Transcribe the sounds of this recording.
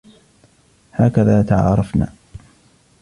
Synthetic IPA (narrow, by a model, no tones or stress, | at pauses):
haːkaðaːt̪aʕɑ̰ːɾˤɑfna̰ː